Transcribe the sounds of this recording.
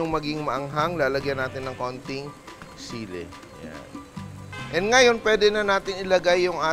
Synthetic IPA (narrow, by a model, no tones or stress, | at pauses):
ʊŋmɐɡɪŋmɐʔɐŋɦaŋlaːlɐɡjɐnaːt̪ɪnːɐŋko̞nt̪ɪŋsiːlɛ̰ | ja̰n | ʔɛnd̪̚ŋɐjo̞npwɛːd̪ɛnɐnaːt̪ɪnɪlɐɡajːʊŋʔaː